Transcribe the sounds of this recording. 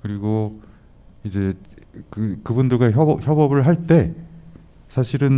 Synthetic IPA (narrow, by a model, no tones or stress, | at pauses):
kɯɾiɡo | id͡ʑe̞kɯkɯbundɯɭɡaçʌçjʌbʌbɯɭɦaɭt͈e̞ | sʰaɕʰiɾɯn